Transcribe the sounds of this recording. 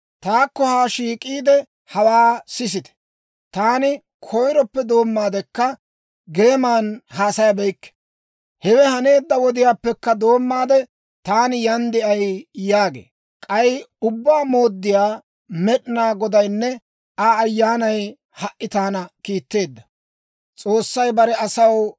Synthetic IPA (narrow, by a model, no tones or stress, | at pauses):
t̪aːkːɔhaːʃiːkʼiːd̪ɛ | hɐwaːsɪs̬ɪt̪ɛ̥ | t̪aːnɪ | kʰɔjɾɔpːɛd̪o̞ːmːaːd̪ɛkːɐ | ɡe̞ːmaːnhaːsɐjɐbɛjkːɛ̥ | hɛwɛhɐne̞ːd̪ːɐwɔd̪ɪjaːpːɛkːɐd̪o̞ːmːaːd̪ɛ | t̪aːnɪjɐnd̪ɪɐjjaːɡḛː | kʼɐjʊbːaːmo̞ːd̪ːɪjaː | mɛɗɪnaːɡɔd̪ɐjnːɛ | aːjːaːnɐj | hɐʔʔːɪt̪aːnɐkiːt̪ːe̞ːd̪ːɐ | t͡sʼo̞ːsːɐjbɐɾɛɐsɐw